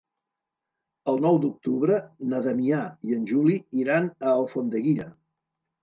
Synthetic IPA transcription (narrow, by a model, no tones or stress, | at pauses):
əlˠnɔwd̪uk̚t̪uβɾənəðəmiaiənʲʒuliiɾanəːlˠfond̪əɣiɾə